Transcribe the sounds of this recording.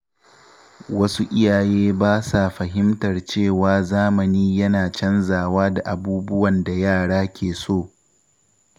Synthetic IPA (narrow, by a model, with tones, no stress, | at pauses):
wɐ˦su˦ʔɪ˦jaː˨jeː˦baː˦sa˨ɸɐ˨ɦɪ˦mtɐ˨rt͡ʃeː˦˨waː˨zaː˦mɐ˨niː˦jɐ˦naː˨t͡ʃɐ˦nzaː˨waː˦da˨ʔa˨buː˦bʊ˦wɐ˨nda˨jaː˦˨ɽaː˦kʲeː˨soː˦˨